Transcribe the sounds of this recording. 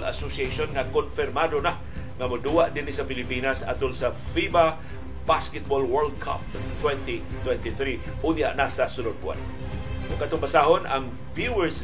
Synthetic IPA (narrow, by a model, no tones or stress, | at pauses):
la̰sosieʃonŋakonfɪrmad̪ona | ŋamʊd̪uaʔd̪ɪnɪsapɪlɪpinasa̰t̪ʊlsa | fiba | baskɛt̪̚bolwɛɹld̪̚kʰa̰p̚ | t̪wɛnt̪i | t̪wɛnt̪iθɾi | ʔʊd̪ɪa̰ʔnasasʊlʊd̪̚bʊa̰n | ʔoɡkat̪ʊŋbasaɦonʔaŋ | vjuɛɹs